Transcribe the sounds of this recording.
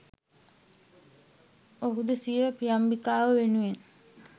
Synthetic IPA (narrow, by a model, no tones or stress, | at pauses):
oɦud̪əsiʋəpijambikaːʋəʋenuʋen